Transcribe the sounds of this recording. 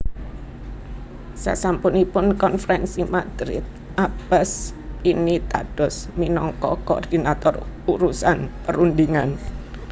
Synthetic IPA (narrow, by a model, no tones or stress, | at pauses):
sa̰sampʊnipʊnkɔnfəɾɛnsimad̪̥ɾɪt̪̚ | ʔabəs | init̪a̰ɖ̥ɔ̤sminɔŋkɔkoɔ̰rd̪̥inat̪ɔruɾusanpəɾund̪iŋan